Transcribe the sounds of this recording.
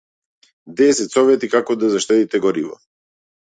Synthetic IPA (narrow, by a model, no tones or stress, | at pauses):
d̪ɛsɛt̪sɔvɛt̪ikakɔd̪azaʃt̪ɛt̪it̪ɛɡɔɾivɔ̰